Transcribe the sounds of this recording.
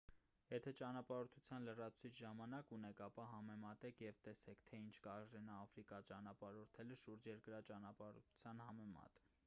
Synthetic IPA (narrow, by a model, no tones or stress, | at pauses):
jɛt̪ʰɛt͡ʃɑnɑpɑɾɔt̪ʰut͡sʰjɑnlərɑt͡sʰt͡sʰit͡ʃʰʒɑmɑnɑkunɛkʰɑpɑɦɑmɛmɑt̪ɛkʰjɛvt̪ɛsɛkʰt̪ʰɛint͡ʃʰkɑʒɾɛnɑːfɾikɑt͡ʃɑnɑpɑɾɔɾt̪ʰɛləʃuɾd͡ʒjɛɾkəɾɑt͡ʃɑnɑpɑɾṵt͡sʰjɑnhɑmɛmɑ̰t̪